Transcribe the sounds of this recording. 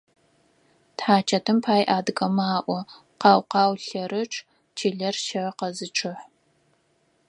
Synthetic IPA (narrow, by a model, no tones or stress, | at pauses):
tħaːt͡ʃʰɐtʰɨmpʰaːjʔaːdɡɐmaːʔʷɔ | qɑːwqɑːwɬɐɾɨʈ͡ʂʼʰ | t͡ʃʰiːɮɐrʃɐrqɐzɨʈ͡ʂʰɨħ